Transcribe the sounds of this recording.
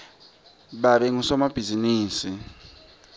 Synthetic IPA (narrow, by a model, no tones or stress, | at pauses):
baɾeŋusɔmab̥ʱiziniːsi